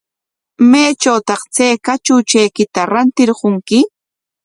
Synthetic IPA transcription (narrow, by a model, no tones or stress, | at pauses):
majt͡ʃawt̪ɑχt͡sajkat͡ʃʊt͡ʃajkɪt̪aɾant̪ɪɾɢʊŋkɪ